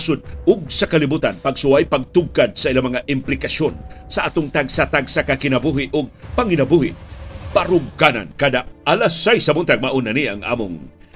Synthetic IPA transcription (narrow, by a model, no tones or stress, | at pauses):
sʊd̪̚ʊɡ̚sɐkɐlɪbut̪anpɐɡsʊwajpɐɡ̚t̪ʊɡ̚kad̪̚sɐʔilamɐŋaʔɪmplɪkɐʃo̞nsɐʔat̪oŋt̪aɡsat̪aɡsakɐkɪnɐbuhɪʔʊɡ̚pɐŋɪnɐbuhɪpaɾʊɡkana̰nkɐd̪aɐlasajsɐmʊnt̪aɡ̚maʔunɐniɐ̰ŋʔa̰mʊŋ